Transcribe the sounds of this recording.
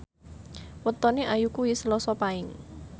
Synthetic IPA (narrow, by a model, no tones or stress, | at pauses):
wət̪ɔneʔajukuisəlɔsɔpaɪŋ